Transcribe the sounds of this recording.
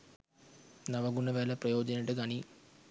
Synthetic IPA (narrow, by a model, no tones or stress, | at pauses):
nɐʋɐɡuɳːɐʋeːlɐprɐjo̞ːd͡ʑɐniʈːɨkɐɳi